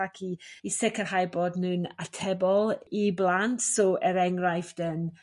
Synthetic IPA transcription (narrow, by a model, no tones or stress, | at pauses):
akʰiisɪkʰərhajboːdnɨnatʰɛbɔlˠiblˠantsɔʔɛɾɛŋrajfd̥ən